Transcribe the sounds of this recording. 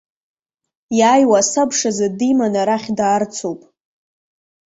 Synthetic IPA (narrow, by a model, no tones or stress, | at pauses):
jaːjwasabʂazadimanaɾaχʲdaːrt͡sʰowpʼ